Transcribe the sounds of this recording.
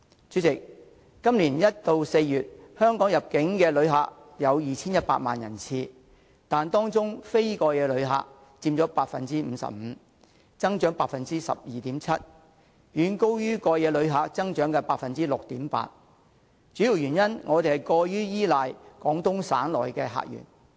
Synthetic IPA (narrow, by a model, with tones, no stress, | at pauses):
t͡ʃy˨˥t͡sɪ˨k̚ | kːɐ˥mliː˨˩njɐ˥t̚t̪o˧wse˧jjyː˨t̚hœː˥ŋkɔː˨˥ŋjɐ˨˩p̚kɪ˨˥ŋkɛː˧lɵ˨˧ɥɦa̰ː˨k̚jɐ˨˧wjiː˨t͡sʰiː˥njɐ˥t̚pa̰ː˧t̚ma̰ː˨njɐ̰˨˩nt͡sʰiː˧ | t̪aː˨nt̪ɔː˥ŋt͡sʊ˥ŋfe˥jkɔː˧jɛː˨˧lɵ˨˧ɥɦa̰ː˨k̚ | t͡siː˧mt͡sɔː˨˥paː˧t̚fɐ˨nt͡siː˥m̩ː˨˧sɐ̰˨p̚m̩ː˨˧ | t͡sɐ˥ŋt͡ʃœː˨˥ŋpaː˧t̚fɐ˨nt͡siː˥sɐ̰˨p̚jiː˨˩t̪iː˨˥mt͡sʰɐ˥t̚ | jyː˨˧nko˥wjyː˥kɔː˧jɛː˧lɵ˨˧˥ɥɦaː˨k̚t͡sɐ˥ŋt͡ʃœː˨˥ŋkɛː˧paː˧t̚fɐ˨nt͡siː˥lʊ˨k̚t̪iː˨˥mpa̰ː˧t̚ | t͡ʃyː˨˥ji˨˩wjyː˨˩njɐ˥nŋʔɔː˨˧t̪e˨hɐ˨˩jkɔː˧jyː˥jiː˥laː˨jkɔː˨˥ŋt̪ʊ˥ŋsa̰ː˨˥nlɔ̰ː˨˩jkɛː˧ɦa̰ː˨k̚jy̰ː˨˩n